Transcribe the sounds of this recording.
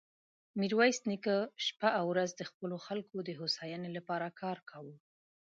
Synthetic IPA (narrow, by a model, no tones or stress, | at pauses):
miɾwɑjsnikəʃpaʔawɾazd̪əxpəloxalkod̪əɦosɑjanelapɑɾakʰɑɾkʰawu